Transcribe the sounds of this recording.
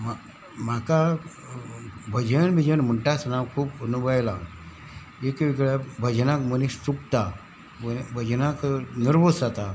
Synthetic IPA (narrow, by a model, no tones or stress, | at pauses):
ma | maka | bʱəd͡ʑənbʱid͡ʑənməɳʈasnakʰuːpənubəjla | ekʋiɡɭabʱəd͡ʑnakməniɕsukt̪a | əbʱəd͡ʑnakniɾʋosat̪a